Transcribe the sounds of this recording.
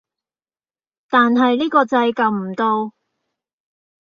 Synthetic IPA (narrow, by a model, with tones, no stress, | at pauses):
t̪aː˨nɦɐ˨jliː˥kɔː˧t͡sɐ˧jkɐ˨˧wm̩˨˩t̪o˧w